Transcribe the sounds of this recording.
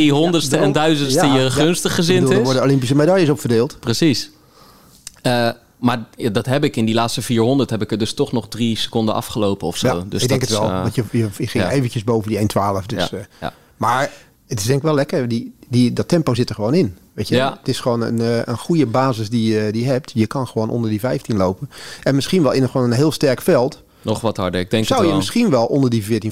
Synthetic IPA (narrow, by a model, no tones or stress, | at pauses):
iɦɔndəstəɛndœɥzənaəəəχønstəχəzɪəndutːˠlˠdʋɔɹdəolɪmpis̬əmedajəsɔpfərdeːlˠtprəsis | ə | maɹadɔtɦɛpɪkɪndilaːtstəfiːɹɦɔndəɹtɦɛpɪkədɵstɔχnɔχdrisə̥kɔndəʔɑ̰fχəlowpəɔfsoa̰wdsɪɡ̚ɛŋkətʋɛlˠɑntjəjəjəχɪŋeːvənjəzbowvəndiejntʰʋaːləfdøs | maːɹ | ətɪ̥sdɛŋkɪkʋɛlɛkəɹdididɔtʰɛmpoːzɪtəɹxəʋoːnɪnʋeːtəətɪsxəʋoːnə̰nənxujəbaːzəsdijədiəɦɛp̚tjəkɑnxəʋoːnʔɔ̰ndəɹdivɛjftinlowpənʔɛnmɪsxinʋɛlˠɪnətxʋoːnənɦɪːlˠstɛrkfɛlˠt | nɔχʋɑthɑɹdəɪɡ̚dɛŋksawjəmɪsxinʋɛlˠʔɔndəɹdivɪːtin